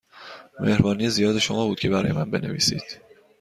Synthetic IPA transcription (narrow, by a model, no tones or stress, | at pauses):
me̞̰hɾbɒːnije̞zijɒːd̪e̞ʃomɒːbuːd̪̥̚cʰe̞bæɾɒ̰ːjemænbe̞ne̞̰vḭːsḭːd̪̥